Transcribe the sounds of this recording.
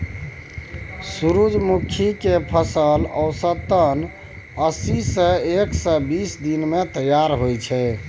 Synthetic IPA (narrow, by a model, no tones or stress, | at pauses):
suɾud͡ʒmukʰikepʰəsələʊsət̪ən | əsiseeksebisd̪inmet̪əjaɾɦojt͡ʃʰɛ